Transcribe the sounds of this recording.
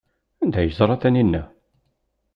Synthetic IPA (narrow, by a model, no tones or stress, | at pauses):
ænd̪æjəzˤɾˤɑθæninːæ